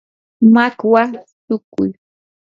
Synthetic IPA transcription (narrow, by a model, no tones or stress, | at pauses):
makwat̪ʊkʊ̰j